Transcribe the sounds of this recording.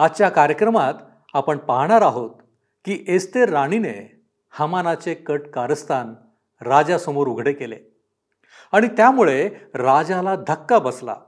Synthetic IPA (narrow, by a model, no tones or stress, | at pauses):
at͡ɕjakaɾjəkɾəmat̪ | apəɳpaɦɳ̃aɾaɦot̪̚ | kiːʔest̪eɾaɽ̃inḛ | hamanat͡sekəʈkaɾəst̪ʰan | ɾad͡zasəmoɾuɡʱɽekelḛ | aɽ̃it̪jamuɭeɾad͡ʑalad̪ʱəkːabəsla̰